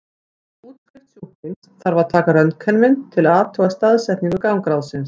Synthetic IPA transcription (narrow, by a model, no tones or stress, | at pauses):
uːt̪fɾɪht̪suhpɪn | θaɾvaɾ̥t̪ʰaːkaɾœnt̪kʰœnmɪnt̪ʰɪlaːvt̪ʰœːɣast̪aːðsɛt̪nɪŋkʏɾkawŋkɾawðsɪns